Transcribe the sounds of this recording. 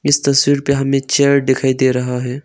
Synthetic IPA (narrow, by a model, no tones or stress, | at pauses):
ɪst̪ɐswiːɾpeɦɐmẽt͡ʃeːɾɖ̪ɪkʰaːid̪eːɾɐɦaɦɛː